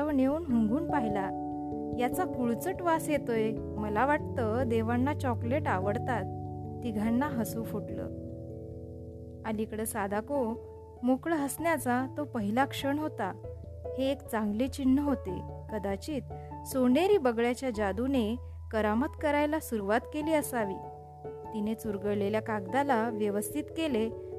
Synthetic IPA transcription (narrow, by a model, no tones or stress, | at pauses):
əʋneuːnɦəŋɡʱuːnpaɦila | jat͡sakuɭt͡səʈʋasjet̪oj | məlaʋaʈ̚t̪əd̪eʋanːat͡ɕɔkleʈaʋəɽt̪at̪̚ːiɡʱanːaɦəsufoʈlə̰ː | alikɽəsad̪ʱako | mokɭəɦəsnjat͡sat̪opəɦilakʂəɳɦot̪a | heːkt͡sãŋɡlet͡ɕinːəɦot̪ekəd̪at͡ɕiːt̪ | soneɾiːbəɡɭjat͡ɕjad͡ʑad̪une | kəɾamət̪kəɾajlasuɾuʋat̪keliːəsaʋḭː | t̪inet͡suɾɡəɽleljakaɡd̪alaʋjəʋəst̪ʰit̪kele